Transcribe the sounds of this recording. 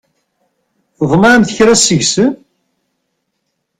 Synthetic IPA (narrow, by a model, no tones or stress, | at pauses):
ðˤmɑɾmθəçɾæsəʝsəm